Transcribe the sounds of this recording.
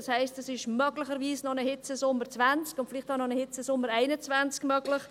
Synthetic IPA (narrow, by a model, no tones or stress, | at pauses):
ɑshaɪstɛsɪʃmœɡlɪçəɾviːsnɔnəhɪt͡səsʊmːəɾt͡svant͡skʊntfɪlɪːχtaʊnɔnəhɪt͡səsʊmːəɾaɪnət͡svant͡skmœɡlɪχ